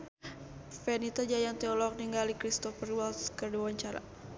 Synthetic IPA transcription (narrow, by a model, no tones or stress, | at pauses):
fɛnit̪ad͡ʒajaŋt̪eɔlɔk̚niŋɡalikɾist̪ɔfərwɔlskərduwaɲt͡ʃaɾa̰